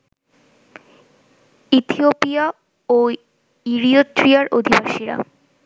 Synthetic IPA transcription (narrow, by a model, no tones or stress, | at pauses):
it̪ʰiopija | o | iɾiot̪ːɾiaɾʔod̪ʱibaʃiɾa̰